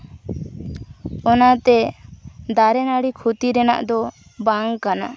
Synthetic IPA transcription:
ɔnat̪ɛ | d̪aɾɛnaɽikʰut̪iɾɛna̰ʔd̪ɔ | baŋkana

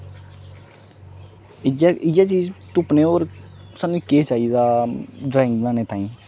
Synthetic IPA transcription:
ɪaɪjaːt͡ʃiːzt̪ʊpneːoːɾsaːnũːkeːt͡ʃaːiːd̪aːɖɾaːɪ̃ŋɡnaːneːt̪ãːĩː

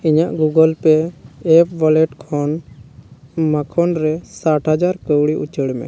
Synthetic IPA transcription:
iɲaʔɡuɡəlpɛːp̚ʰbɔlɛʈkʰɔn | makʰɔnɾɛsaʈɦad͡ʒaɾkəwɽiʔut͡ʃəɽmɛ̰

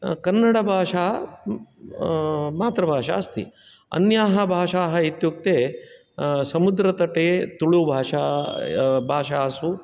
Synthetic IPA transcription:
kɐnːɐɽɐbʱaːʂaː | maːt̪ɾɐbʱaːʂa̰ɐst̪ḭ | ɐ̰njaːɦɐbʱaːʂaːɦɐit̪juk̚t̪eː | sɐmud̪ɾɐt̪ɐʈeːt̪uɭubʱaːʂaː | bʱaːʂaːsu

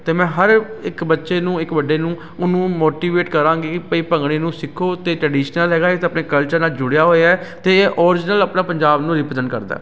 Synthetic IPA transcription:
t̪eːmɛ̃ːɦəɾɪkbətːʃeːnũːɪkbəɖeːnũː | ʊnũːmoːʈiːʋeːʈkəɾãːŋɡeːkɪpəiːpəŋɡɽ̃eːnũːsɪkʰːoːt̪eːʈɾəɖiːʃnəlɦɛːɡaːet̪eəpneːkəlt͡ʃəɾnaːld͡ʒʊɽejaːɦoːjaːɛt̪eːeːʔɔːɾɪd͡ʒnələpnãːpəɲd͡ʒaːbnũːɾɪpəzə̃nɖ̪kəɾd̪a̰ː

